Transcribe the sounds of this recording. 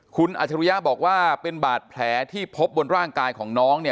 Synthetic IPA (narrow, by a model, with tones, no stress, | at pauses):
kʰu˧nʔa̰˨˩t͡ɕʰa˧ɾu˧ja˦˥bɔː˨˩k̚waː˥˩pe˧nbaː˨˩t̪̚pʰlɛː˩˦t̪ʰiː˥˩pʰo˦˥p̚bo˧nɾaː˥˩ŋkaː˧jkʰɔː˩˦ŋnɔː˦˥ŋni˥˩ɐ